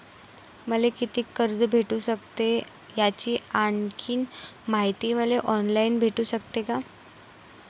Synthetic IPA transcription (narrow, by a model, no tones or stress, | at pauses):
məlekit̪iːkəɾd͡zbʱeʈuːɕək̚t̪e | jat͡ɕiːaɳkʰiːnmaɦit̪iːməleʔɔnlaiːnbʱeʈuːɕək̚t̪eka